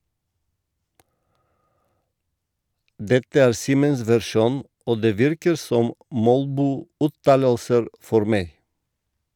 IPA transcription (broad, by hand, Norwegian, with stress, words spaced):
ˈdɛtə ˈæːɾ ˈsiːməns ʋæɾˈʃuːn ˈoː ˈdeː ˈʋɪɾkəɾ ˈsɔm ˈmɔlbuːˌʉːtɑːləlsəɾ ˈfɔɾ ˈmeɪ